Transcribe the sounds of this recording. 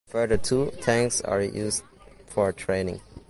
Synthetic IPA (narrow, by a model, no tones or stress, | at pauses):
fɜ˞dətʰutʰæ̃ŋksa̰ɹjus | fɔɹtʰɹeɪnɪ̰̃ŋ